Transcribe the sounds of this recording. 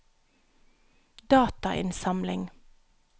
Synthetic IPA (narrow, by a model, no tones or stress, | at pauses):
d̪ɑːt̪ɑʔɪ̰nsɑmlɪŋ